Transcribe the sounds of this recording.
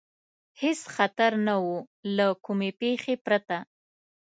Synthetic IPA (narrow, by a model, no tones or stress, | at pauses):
hesxat̪aɾnawu | lakumepexepɾat̪a